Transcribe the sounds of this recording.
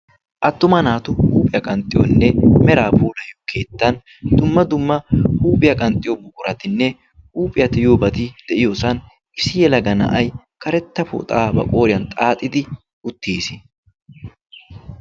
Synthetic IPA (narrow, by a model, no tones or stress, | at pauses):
ʔɐt̪ːʊmɐnaːt̪ʊhuːpʼɪjɐkʼɐnt̪ʼɪjɔnːɛmɛɾaːpuːlɐjokʰːeːt̪ːɐn | d̪ʊmːɐd̪ʊmːɐhuːpʼɪjɐkʼɐnt̪ʼɪjobʊkʼʊɾɐt̪ɪnːɛ | uːpʼɪjɐt̪ɪjoːbɐt̪id̪̥ɛʔɪjɔsɐn | ɪsɪjɛlɐɡɐnɐ̰ʔɐj | kɐɾɛt̪ːɐfʊ̰t̪ʼaːbɐ̰kʼoːɾɪjɐnt̪ʼaːt̪ʼːɪt̪ɪ | ʊt̪ːiːsɪ̥